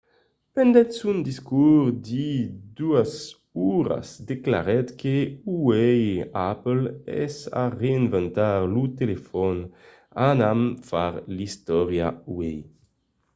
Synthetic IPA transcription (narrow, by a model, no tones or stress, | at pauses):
pɛnd̪ɛt̪sund̪iskuʁd̪id̪uas | uʁa̰sd̪ekla̰ʁɛt̪keuwejaplɛ̰sa̰ʁeenvɛnt̪aʁlut̪elefɔn | anamfaʁlist̪ɔʁja̰uwej